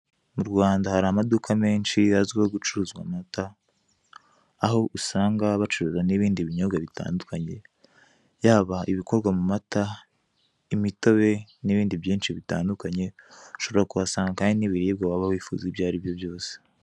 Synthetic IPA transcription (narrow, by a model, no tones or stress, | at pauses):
muɾɡwaːndahaɾamadukʰame̞ːnʃiaziwoɡut͡ʃuɾuzɡwa̰mata | ɦo̞ʔusaːŋɡaβat͡ʃuɾuzaniβiːndiβiɲoɡaβita̰ːndukaɲe̞ | jaːβaiβiko̞ɾɡwamumata | imito̞βe̞niβiːndiβjiːnʃiβita̰ːndukaɲe̞uʃo̞βe̞ɾakuβasaːŋɡakaːɲiniβiɾiːb̚ɡawaβaβifṵzibjaːɾibjo̞bjo̞ːse̥